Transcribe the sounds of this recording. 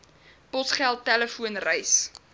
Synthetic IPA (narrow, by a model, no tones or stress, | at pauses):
pɔsχɛlˠtːæləfuənrəjs